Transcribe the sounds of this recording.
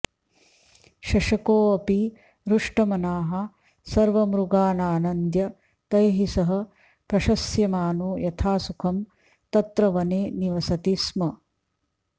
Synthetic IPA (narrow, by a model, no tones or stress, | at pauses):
ʃɐʃɐkoːɐpi | ɾuʂʈɐmɐnaːɦɐ | sɐɾʋɐmɾuɡaːnaːnɐnd̪jɐ | t̪ɐjɦisɐɦɐ̆ | pɾɐʃɐsjɐmaːnujɐt̪ʰaːsukʰɐm | t̪ɐt̪ɾɐʋɐneːniʋɐsɐt̪ismɐ